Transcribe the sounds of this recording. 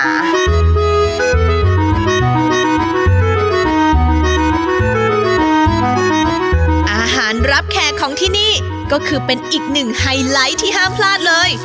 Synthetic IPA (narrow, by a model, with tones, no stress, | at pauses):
ʔaː˧ɦaː˩˦nɾa˦˥p̚kʰɛː˧˩kʰɔː˩˦ŋt̪ʰiː˥˩niː˥˩ | kɔː˥˩kʰɯː˧pe˧nʔiː˨˩k̚nɯ˨˩ŋha˧jla˦˥jt̪ʰiː˥˩ɦaː˥˩mpʰlaː˥˩t̪̚lɤː˧j